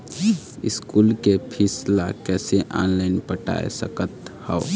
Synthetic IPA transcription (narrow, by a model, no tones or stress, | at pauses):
ɪ̰skuːlkepʰislakɛːseʔa̰ːnlaːɪnpəʈa̰ːḛsəkət̪hɔo